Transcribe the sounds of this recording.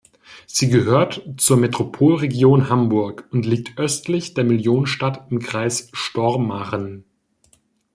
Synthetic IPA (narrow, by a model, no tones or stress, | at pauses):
z̥iːɡəɦøːɐtt͡suːɐmetʁ̥opʰoːlʁeɡjoːnhambʊɐkʊntliːk̚tʰʔœstlɪçd̥eːɐmɪljoːnənʃtatɪmkʁ̥aɪsʃtɔɐmːaʁən